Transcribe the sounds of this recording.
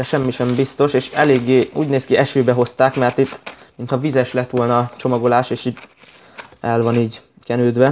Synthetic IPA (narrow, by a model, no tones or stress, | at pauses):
ɛʃɛmːiʃɛmbist̪o̞ʃeːʃɛleːɡːeːṵːɟneːskiɛʃøːbɛɦo̞st̪aːkmɛrt̪it̪ːmint̪hɒvizɛʃlɛt̪ʋo̞lnɒt͡ʃo̞mɒɡo̞laːʃeːʃiːd | ɛlvɒniːɟ | kɛnøːd̪ʋɛ